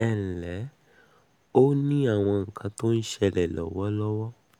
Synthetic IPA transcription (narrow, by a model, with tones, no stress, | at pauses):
ɛ˨llɛ˨˦ | o˦nĩ˦a˦˨w̃ɔ̃˧ŋ̩˨kʰã˨˧to˦n̩˦ʃɛ˧lɛ˨lɔ̰˨wɔ˦lɔ˦wɔ˦